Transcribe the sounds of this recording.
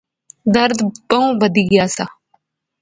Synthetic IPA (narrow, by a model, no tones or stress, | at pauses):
d̪əɾd̪bəũːbəd̪iːɡɪjaːsa